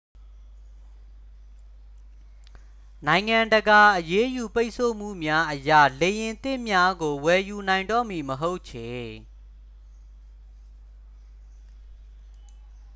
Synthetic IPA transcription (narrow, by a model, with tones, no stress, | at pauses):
nã˨ɪ̃ŋã˨ndəɡa˨ʔəje˦ju˨pe˦ɪʔsʰo̰˦˨m̥ṵ˦˨mja˦ʔəjä̰˦˨le˨jɪ̃˨nt̪ɪ̰̃˦˨mja˦ɡo˨wɛ˨ju˨nã˨ɪ̃ndɔ̰˦˨mi˨məɦo˦ʊʔt͡ɕʰɪ̃˨